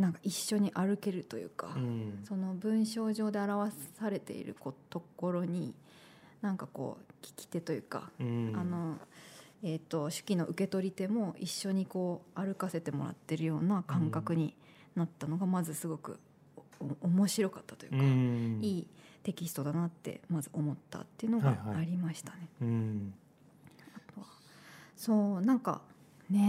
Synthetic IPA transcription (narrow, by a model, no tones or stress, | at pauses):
nãŋkḁiɕːo̞ɲ̟iʔaɾɯ̟ke̞ɾɯ̟t̪o̞jɯ̟̰ːkaso̞no̞bɯ̟̃ɰ̃ɕo̞ːʑo̞ːd̪e̞aɾaβassaɾe̞t̪e̞̰ḭɾɯ̰kot̪o̞ko̞ɾo̞ɲ̟i | nãŋkako̞̰ːkʲi̥kʲi̥t̪e̞t̪o̞jɯ̟̰ːka̰ano̞ | et̪ːo̞ɕɨ̥kʲino̞ʔɯ̟ke̞t̪o̞ɾʲit̪e̞mo̞iɕːo̞ɲ̟iko̞ːaɾɯ̟kase̞t̪e̞mo̞̰ɾa̰t̪ːe̞ɾɯ̟jo̞ːnakãŋkakɯ̟ɲ̟i | nat̪ːano̞ɡamazɨsɨɡo̞kɯ̟̰ | omoɕiɾo̞kat̪ːḁt̪ojɯ̟kaiːt̪e̞kʲisɨ̥t̪o̞d̪anat̪ːe̞̰mazɨʔo̞mo̞t̪ːa̰t̪ːe̞iɯ̟no̞ɡa̰aaɾʲimaɕi̥t̪ane̞ | at̪o̞βa | so̞ːnãŋka̰ | ne̞